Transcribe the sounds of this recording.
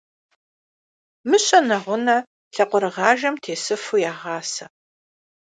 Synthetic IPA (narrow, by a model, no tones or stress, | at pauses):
mɨɕʼɐnɐʁʷʊnɐ | ɬɐqʷɔɾɨʁɑːʒɐmtʰeːsɨfujaːʁɑːsɐ